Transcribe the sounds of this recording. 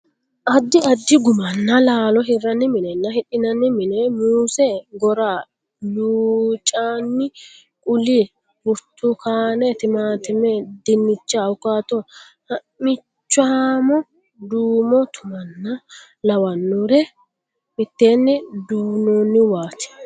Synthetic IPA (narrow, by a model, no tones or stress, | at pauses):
ʔɐd̪ːɪɐd̪ːɪɡʊmɐnːɐlaːlɔɦɪrːɐnːɪmɪnɛnːɐhɪɗɪnɐnːɪmɪnɛmuːsɛɡɔɾaː | luːt͡ʃʼːaːnːɪ | kʼʊli | bʊɾt̪ːʊkaːnɛt̪ɪmaːt̪ɪmɛd̪ɪnːɪt͡ʃːaʊkaːt̪ɔ | hɐ | mɪ | t͡ʃːaamɔ | d̪uːmɔt̪ʰʊmɐnːɐ | lɐwɐnːuɾɛ | mɪt̪ːeːnːɪd̪uːnoːnːɪwaːt̪ɛ̥